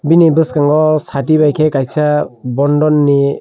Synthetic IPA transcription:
binibɯskaŋɡɔsat̬ibajkʰɛkajsabɔndɔnːi

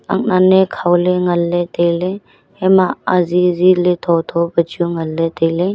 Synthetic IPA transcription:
a̰k̚nanekʰawleŋɐlːetejle | hemaazizilet̪ʰɔtʰɔbəd͡ʒuŋɐlːetejle

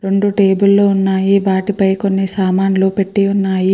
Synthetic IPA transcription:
ɾe̞ɳɖuʈe̞ːbulːoːunːaːjiʋaːʈipɐjkonːisaːmaːnloːpe̞ʈːiunːaːji

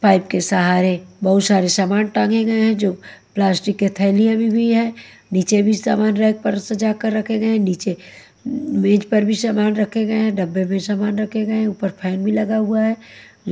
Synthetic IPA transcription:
paːɪp̚kesɐɦaːɾebɐɦʊt̪saːɾesaːmaːnʈãːŋɡẽɡɐẽɦɛ̃d͡ʒoːplaːsʈɪkːet̪ʰɛɪlijãbĩbʱiɦɛ̃ | niːt͡ʃebʱisa̰ːmaːnɾɛɪk̚pəɾsɐd͡ʒaːkəɾːɐkʰeɡɐẽɦɛ̃niːt͡ʃe | mẽːd͡ʒpɐɾbʱisaːmaːnɾɐkʰeɡəẽɦɛ̃ɖɐbːemẽsaːmaːnɾɐkʰẽɡəẽɦuːpəɾpʰɛːnbʱilɐɡaɦʊaɦɛː

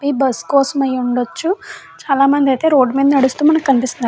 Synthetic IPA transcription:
pibɐskɔːsɐmɐjuɳɖot͡ʃːu | t͡ʃaːlaːmɐnd̪iɐjt̪e̞ːɾo̞ːɖmind̪ɐnɐɽust̪uːmɐnɐkkɐnipist̪und̪a

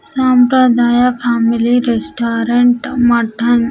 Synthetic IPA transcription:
sampɾɐd̪aːjapʰaːmiliɾesʈaːɾeɳʈmɐʈʰɐn

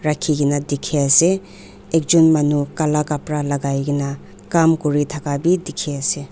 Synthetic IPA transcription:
ɾakʰːiɡinadikʰeaseː | k̚d͡ʒunmanukalakapɾalaɡajɡina | kamkuɾitʰakabidikʰease

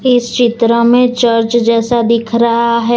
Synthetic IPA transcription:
ɪst͡ʃɪt̪ɾəmẽt͡ʃəɾt͡ʃd͡ʒɛːsad̪ɪkʰɾɐɦaɦɛ

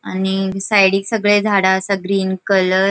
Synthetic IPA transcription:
anisajɽiːksəɡɭed͡zʱaɽaəsaɡɾiːnkələɾ

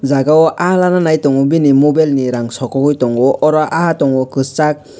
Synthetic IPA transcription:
zaɡawɔʔaalananajtɔŋɔbinimubalniɾaŋsɔkɔɡɔjtɔŋɔʔɔɾɔʔahatɔŋɔkɯst͡ʃak̚

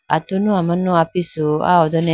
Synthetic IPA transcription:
a̰tʊnʊ̃amãnʊ̃apisoa̰ɔdɔnɛ̃

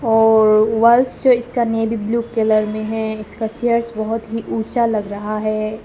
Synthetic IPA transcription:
ɔːɾʋɐlsd͡ʒoɪskaneːbibluːkeləɾmẽɦɛɪskat͡ʃejəɾsbɐɦʊt̪ɦiʔuːt͡ʃalɐɡɾɐɦaɦɛː

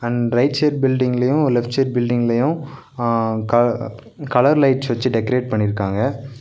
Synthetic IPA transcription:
ɐɳɾɐɪʈt͡ʃeːɾbɪlɖɪŋɡɐlɐjʊ̃lɛfʈt͡ʃeːɾ̚bɪlɖɪŋɡɐlɐjʊ̃ | kɐ | kɐlɐɾlɐɪʈt͡ʃʋɐt͡ʃːɯɖɛkɐɾeːʈ̚pɐɳːɪɾɯkːaːŋɡɐ

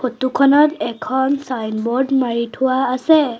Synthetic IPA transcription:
fotukʰɔnɔtɛkʰɔnsajnbɔɹdmaɹitʰʊwaːsɛ

